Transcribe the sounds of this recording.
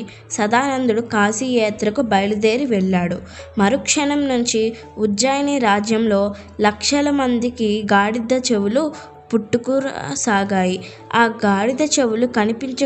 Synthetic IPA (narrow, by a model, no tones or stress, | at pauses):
sɐd̪aːnɐnd̪uɽukaːsijɛːt̪ɾɐkubɐjlud̪e̞ːɾiʋɛɭːaːɽu | mɐɾukʂɐɳɐmnuɲt͡ʃi | uɐjɐniːɾaːd͡ʒjɐmlo̞ː | lɐkʂɐlɐmɐnd̪ikiɡaːɽid̪ɐt͡ʃe̞wulu | puʈːukuɾ̰saːɡaːji | aːɡaːɽid̪ɐt͡ʃewulukɐnipiɲt͡ʃɐ